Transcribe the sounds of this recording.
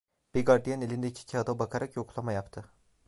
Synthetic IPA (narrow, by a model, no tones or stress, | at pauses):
b̥iɡaɾd̪ijanelʲind̪ɛicʰi̥cʰiad̪abakʰaɾakjokʰulˠamajapt̪ʰɯ